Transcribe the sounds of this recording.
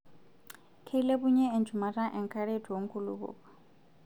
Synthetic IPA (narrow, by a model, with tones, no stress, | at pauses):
kʰe˦i˦le˦buɲɛ˦ɛ˨nd͡ʒʰʱuma˨ra˦ʔɛ˨ŋkʰʼa˦ɺe˦tʰu˨wo˨ŋ̩˦kʰʼulṵβṵːβɔ̥